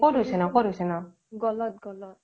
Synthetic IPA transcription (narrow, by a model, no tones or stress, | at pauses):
kɔɾusenakɔɾusena | ɡɔlɔt̪̚ɡɔlɔt̚